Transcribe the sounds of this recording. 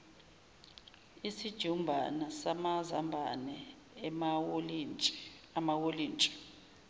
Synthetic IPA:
isid̥ʒ̥ʱumbʱa̰nasamazambʱa̰nɛ | wlʼ | amawoliːnt͡ʃʼɛ̥

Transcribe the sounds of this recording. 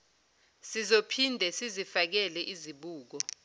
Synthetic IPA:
sizopʰindʱɛsizifak̬ɛlɛʔiziɓuːk̬ɔ

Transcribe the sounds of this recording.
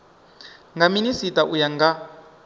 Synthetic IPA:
ŋɡaminisitaʔujaŋɡa

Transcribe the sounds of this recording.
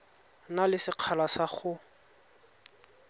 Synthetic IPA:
nalɪsɪq͡χʰalasaχʊ

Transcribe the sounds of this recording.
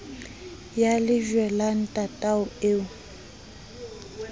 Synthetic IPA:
jalɪʒwɛlan̩tʼatʼaʊeːʊ

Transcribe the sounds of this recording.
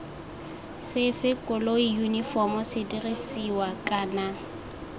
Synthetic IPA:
sɪfɪkʼʊloijunifɔmʊsɪdirisiwakʼaːna

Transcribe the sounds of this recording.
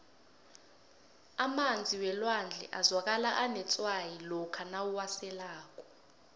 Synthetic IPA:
amand͡zʱiwɛlwand͡ɮʱɛ̰ʔazwak̬alaʔanɛt͡sʼwajilɔkʰanawuwasɛlaːk̬ʼɔ̥

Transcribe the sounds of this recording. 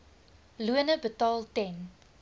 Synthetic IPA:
luənəbətɑːlˠtɛn

